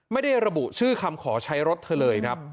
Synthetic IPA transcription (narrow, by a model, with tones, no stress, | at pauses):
ma˥˩jda˥˩jɾa˧bu˨˩ʔt͡ɕʰɯː˥˩kʰa˧mkʰɔː˩˦t͡ɕʰa˦˥jɾo˦˥t̪̚ʰːa˧lɤː˧jkʰa˦˥p̚